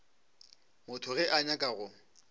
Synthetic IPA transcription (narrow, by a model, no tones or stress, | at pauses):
mʊtʰʊɣɛʔaɲakʼaɣʊ